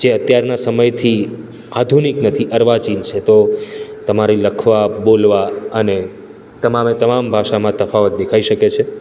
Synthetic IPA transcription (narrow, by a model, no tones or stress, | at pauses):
d͡ʒeət̪jaɾnasəməjt̪ʰi | ad̪ʱuniknət̪ʰiʔəɾʋat͡ʃint͡ʃʰet̪ot̪əmaɾiləkʰʋabolʋaəne | t̪əmamet̪əmambʱaʃamãt̪əfaʋət̪̚d̪ekʰaiʃəket͡ʃʰe